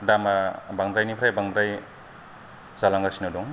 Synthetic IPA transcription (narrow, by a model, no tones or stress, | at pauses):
damabaŋd̪ɾajnipʰɾajbaŋd̪ɾaj | zalaŋɡasinɔdɔŋ